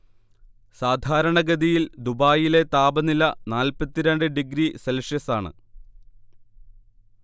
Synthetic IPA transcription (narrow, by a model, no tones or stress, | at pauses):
saːd̪ʱaːɾɐɳɐɡɐðijild̪ubaːjile̞t̪aːbɐnilɐnaːlpɐt̪ːiɾeɳɖɨɖiɡɾiselʂjɐsaːɳɨ̰